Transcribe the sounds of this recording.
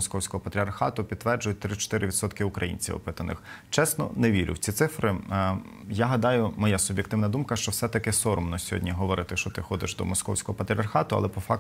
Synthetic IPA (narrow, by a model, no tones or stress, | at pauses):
ɔskɔwsʲkɔɦɔpɐt̪ʲɾʲiɐrxɑt̪ʊpʲid̪ːʋɛrd͡ʒʊjʊt̚ʲt̪ɾɪt͡ʃɔ̥t̪ɪɾɪʋʲid̪sɔt̪kɪʊkɾɐjḭnʲt͡sʲḭwɔ̰pɪt̪ɐnɪ̰xt͡ʃɛsnɔ̰neʋʲiɾʲʊ̰wt͡sʲit̪sɪfɾɪ | jaɦɐd̪ɑjʊmɔjasʊbjekt̪ɪwnɐd̪umkɐʃt͡ʃɔwsɛt̪ɐkɪsɔɾɔmnɔsʲɔɦɔ̰dʲnʲiɦɔʋɔɾɪt̪ɪʃt͡ʃɔt̪ɪxɔd̪ɪ̰ʃd̪ɔ̰mɔskɔ̰wsʲkɔɦɔpɐt̪ɾʲiɐrxɑt̪ʊɐ̰lˠɛpɔfɑk